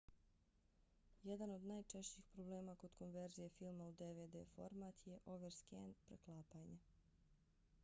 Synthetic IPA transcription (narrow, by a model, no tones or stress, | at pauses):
jed̪ano̞d̪najt͡ʃeʃt͡ɕiːxpɾobleːmako̞d̪̥ko̞nʋe̞ɾzijefilˠmaud̪eʋeːd̪ḛːfo̞̰ɾmat̪ʰje̞ʔo̞ʋeɾskenpɾeklˠaːpaɲe